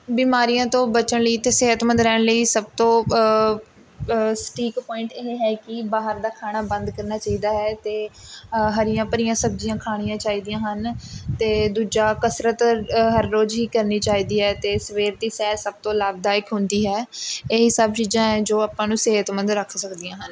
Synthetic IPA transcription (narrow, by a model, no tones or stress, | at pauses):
biːmaːɾijãːt̪õːbət͡ʃəɳ̃ləiːt̪eːseɦət̪mənd̪ɾɛːɳ̃ləiːsəb̚t̪õː | sʈʰiːkpɔːɪ̃ɳʈeːɦeɦɛːkɪbaːɦəɾd̪aːkʰaːɽ̃aːbə̃nd̪kəɾnaːt͡ʃaːiːd̪aːɦɛːt̪eː | ɦəɾɪjãːpəɾɪjãːsəb̚d͡ʒɪjãːkʰaːɽ̃ɪjãːt͡ʃaːiːd̪ijãːɦənt̪eːd̪uːd͡ʒaːkəsɾət̪ɦəɾːoːd͡ʒɦiːkəɾniːt͡ʃaːiːd̪iːɦɛːt̪eːsəʋeːɾd̪iːsɛːɾsəb̚t̪õːlaːbd̪aːɪkɦʊnd̪iːɦɛːeːɦiːsəb̚t͡ʃiːzãːɦɛ̃d͡ʒoːaːpãːnũːseɦət̪mə̃nd̪ɾəkʰsəkd̪ijãːɦən